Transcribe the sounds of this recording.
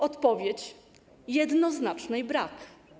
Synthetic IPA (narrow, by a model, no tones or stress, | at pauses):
ɔt̪pɔvʲjet͡ɕ | jɛd̪nɔznat͡ʂnɛjbɾak